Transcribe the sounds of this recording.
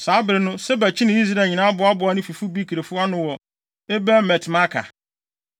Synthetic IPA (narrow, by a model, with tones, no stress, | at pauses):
saː˨˦bɪ˨ɾɪ˦nʊ̃˦sɛ˦bæ˨t͡ɕʰi˦nɪ̃˦i˦s̬ɾa˦˨ɲĩ˨nã˦a˦bʊ˨a˦bʊ˨a˨˦nʊ̃˦fi˨fʊ˦bi˦kʰi˨ɾe˨fʊ˦a˦nʊ̃˦wɔ˨ | e˦bæ˦mɛ˨tʰma˦kʰa̰˨